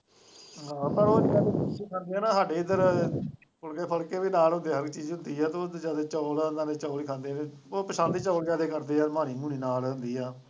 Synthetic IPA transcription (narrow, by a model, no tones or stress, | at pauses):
ɦãːpəɾoːd͡ʒiːaːd̪eːiːkʰãːnd̪eːɛːnãːɦaːɖeːɪd̪əɾ | pʰəlkeːpʰəɭkeːbiːnaːlɦʊ̃nd̪eːɦəɾkt͡ʃiːzɦʊnd̪iːɛːt̪õːd̪d͡ʒaːd̪eːt͡ʃɔːlːnd̪ãːneːt͡ʃɔːliːkʰãːnd̪eːneː | oːpəʃãːnd̪iːt͡ʃɔːld͡ʒaːd̪eːkəɾd̪eːɛːmaːñiːmuːñiːnaːlɦʊnd̪iːɛː